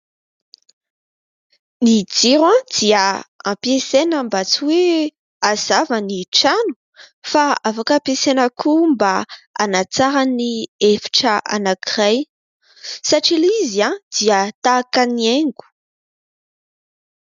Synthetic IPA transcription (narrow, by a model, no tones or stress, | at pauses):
nid͡ziɾãd̪̥iaã̰mpjesenəmbat͡siwe | az̥avaniʈ͡ʂanu̥ | faafakapesenəkʰumbaa̰nat͡saɾaniefi̥ʈ͡ʂəʔa̰nakiraj | saʈ͡ʂiliziãd̪̥iət̪akanieŋɡu̥